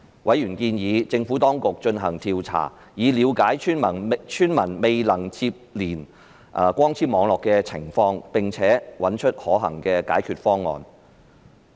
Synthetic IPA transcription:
wʔɐ˨˥jɥy˨˩nkiː˧njiː˨˧t͡sɪ˧ŋfuː˨˥t̪ɔː˥ŋkʊ˨k̚t͡ʃɵ˧nɦɐ˨˩ŋt̪ʰiː˧wt͡sʰa̰ː˨˩ | jiː˨˧liː˨˧wkaː˨˥jt͡ʃʰy˥nmɐ˨˩nt͡ʃʰyː˥nmɐ˨˩nme˨jlɐ˨˩ŋt͡sʰiː˧p̚liː˨˩n | ʔkʷɔː˥ŋt͡sʰiː˥mɔː˨˧ŋlɔː˨kːɛ˧t͡sʰɪ̰˨˩ŋfɔː˧ŋpɪ˨ŋt͡sʰɛː˨˥wɐ˨˥nt͡ʃʰɵ˥t̚hɔː˨˥ɦɐ̰˨˩ŋkɛː˧ka̰ː˨˥jkʰyː˧t̚fɔː˥ŋːɔ̰ː˨n

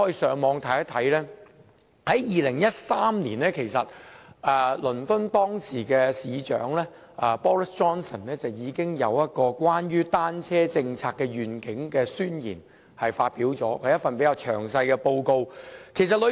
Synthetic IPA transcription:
ɔ˥i˧sœː˨˧ŋmɔː˨˧ŋt̪ʰɐ˨˥jɐ˥t̪ʰɐ˨˥jlɛː˥ | hɐ˨˥jjiː˨lɪ˨˩ŋjɐ˥t̚saː˥mliː˨˩nɛː˥kʰe˨˩jsɐ˨t̚ɛː˨lɵ˨˩nt̪ʊ˥nt̪ɔː˥ŋsiː˨˩kɛː˧siː˨˧t͡ʃœ̰ː˨˥ŋlɛː˥ | ʔɛː˨˩pɔː˥lɪ˥st͡ʃɔː˥nsɐ˨˩nlɛː˥t͡sɐ˨wjiː˨˧kɪ˥ŋjɐ˨˧wjɐ˥t̚kɔː˧kʷwaː˥nɥyː˥t̪aː˥nt͡sʰɛː˥t͡sɪ˧ŋt͡sʰaː˧k̚ːɛː˧ɥyː˨˩nkɪ˨˥ŋkɛː˧syː˥njḭː˨˩n | hɐ˨jfaː˧t̚piː˨˥wt͡sɔː˨˥kɐ˨˧jɐ˥t̚fɐ˨npe˨˥jkaː˧wt͡ʃʰœ̰ː˨˩ŋsɐ˧jkɛ˧po˧wko˧wkʰe˨˩js̬ɐ˨t̚lɵ˨˧

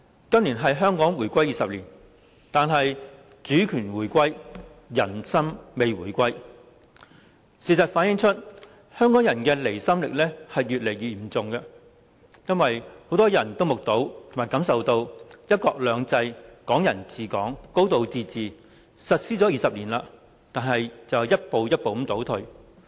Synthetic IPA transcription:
kɐ˥mli˨˩nɦɐ˨jɦœː˥ŋkɔː˨˥ŋwuː˨˩jkʷɐ˥jiː˨sɐ˨p̚liː˨˩n | t̪aː˨˧nɦɐ˨j | t͡syː˨˥kʰyː˨˩nwuː˨˩jkʷɐ˥jjɐ˨˩nsɐ˥mme˨˧jwuː˨˩jkʷɐ˥j | siː˨˩sɐ˨˩t̚faː˨˥njɪ˧˥ŋt͡ʃʰɵ˥t̚ | hœː˥ŋkɔː˨˥ŋjɐ˨˩nkɛː˧le˨˩jsɐ˥mlɪ̰˨k̚lɛː˥hɐ˨jːyː˨t̚le˨˩jɥyː˨m̩˨˩t͡sʊ˨ŋkɛ˧ | jɐ˥nwɐ˨jho˨˥wt̪ɔː˥jɐ˨˩nt̪o˥wmʊ˨k̚t̪o˨˥wtt̪ʰo˨˩maː˨˩jkɐ˨˥msɐ˨wt̪o˧wjɐ˥t̚kɔː˧k̚lœː˨˧ŋt͡sɐ˧jkɔː˨˥ŋjɐ˨˩nt͡siː˨kɔː˨˥ŋko˥wt̪o˨˧wt͡siː˧t͡siː˨ | sɐ˨t̚siː˥t͡sɔː˨˥jiː˧sɐ˨p̚liː˨˩nlaː˧ | t̪aː˨nɦɐ˨jt͡sɐ˨wjɐ˥t̚po˨˧wjɐ˥t̚po˨w̩˨˥t̪o˨˥wt̪ʰɵ˨˧ɥ

